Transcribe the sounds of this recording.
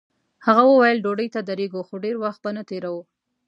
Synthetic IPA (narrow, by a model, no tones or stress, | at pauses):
haɣawəwajəlɖoɖəjt̪ad̪aɾeɡoxoɖeɾwaxt̪̚banat̪eɾawu